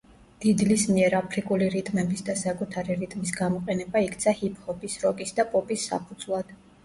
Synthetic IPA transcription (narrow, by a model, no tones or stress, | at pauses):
d̪̥id̪lismiɛɾapʰɾikʼuliɾit̪ʼmɛbisd̪asakʼut̪ʰaɾiɾit̪ʼmisɡamɔqʼɛnɛbaikʰt̪sʰahipʰʼhɔpisɾɔɡʼisd̪apʼɔpʼisːa̰pʰud̪zlˠad̪̥